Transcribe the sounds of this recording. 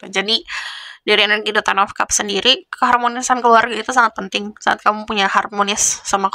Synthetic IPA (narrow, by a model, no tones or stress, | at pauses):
pad͡ʒadidaɾianaɡidot̪anafkapsəndiɾikəɦarmonisankəluarɡait̪usaŋat̪̚pənt̪ɪŋsaʔa̰t̪̚kamupuɲaharmonɪsːama